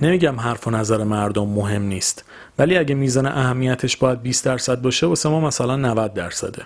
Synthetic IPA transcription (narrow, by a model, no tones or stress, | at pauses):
ne̞miːɟæmɦæɾfo̞næzæɾemæɾd̪omːoɦe̞mniːst̪ | væliːæɟemiːzɒːneʔæhæmːijæt̪ʰeʃbɒːjæd̪̚biːst̪d̪æɾsæd̪̚bɒːʃe̞bɒːsemɒːmæsælænːævæd̪̚ːæɾsæ̰d̪e̞